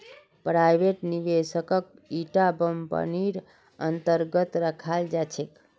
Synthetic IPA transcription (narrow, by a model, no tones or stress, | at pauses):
pɾajʋeʈniʋesəkək̚ | iʈabəmpə̰niɾ | ənt̪əɾɡət̪ɾəkʰald͡ʒat͡ʃʰek